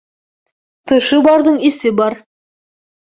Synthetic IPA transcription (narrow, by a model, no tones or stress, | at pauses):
t̪ʰɤ̆ʃɤbɑɾd̪ɤɴesɪbɑɾ